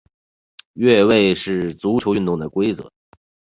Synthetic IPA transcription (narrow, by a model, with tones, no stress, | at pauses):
ɥɛ˥˧we˥˧ɪʂɻ̩˥˩t͡su˧˥ʈ͡ʂʰjo˧˥ʊy˥˧nt̪ʊ˥˩ŋd̪ə˩kwe˥ɪt͡sɤ̰˨˧˥